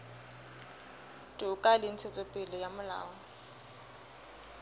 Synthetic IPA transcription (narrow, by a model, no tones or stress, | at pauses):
tʼʊkʼalɪn̩t͡sʰet͡sʼɔpʼɪlɔjamʊla̰ːɔ